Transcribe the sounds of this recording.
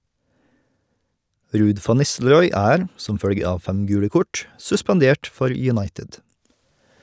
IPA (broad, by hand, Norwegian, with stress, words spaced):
ˈɾʉːd ˈfɑn ˈnɪstl̩ɾɔʏ ˈæːɾ ˈsɔm ˈfœɽɡə ˈɑːʋ ˈfæm ˈɡʉːɽə ˈkɔʈ sʉspɑnˈdeːʈ ˈfɔɾ jʉˈnɑɪtɪd